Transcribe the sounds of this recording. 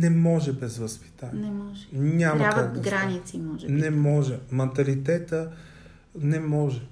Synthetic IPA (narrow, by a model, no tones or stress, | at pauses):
nɛmɔʒɛbɛzvəspi̥t̪aniɔʒɛɲʲamɐakak̪ɡɾɾanit̪simɔʒnɛmɔʒɛmɐnt̪ɐlit̪ɛt̪ə | nɛmɔʒɛ